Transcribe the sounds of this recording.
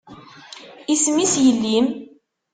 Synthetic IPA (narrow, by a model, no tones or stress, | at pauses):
ismisjəlːim